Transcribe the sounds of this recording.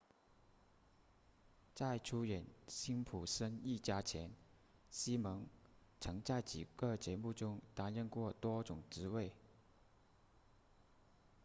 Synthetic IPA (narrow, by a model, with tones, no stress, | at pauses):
t͡sa˥˩ɪʈ͡ʂʰu˥ɥɛ˨˩˦nɕi˥npʰu˨˩ʂə˥ni˥˩t͡ɕja˥t͡ɕʰjɛ˧˥n | ɕi˥mɤ˧˥ŋt͡sʰɤ˧˥ŋt͡sa˥˩ɪt͡ɕi˨˩ɡ̥ə˥˧t͡ɕjɛ˧˥mu˥˩ʈ͡ʂʊ˥ŋt̪a˥nɻə˥˧nkwɔ˥˩t̪wɔ˥ʈ͡ʂʊ˨˩ŋʈ͡ʂɻ̩˧˥we˥˩ɪ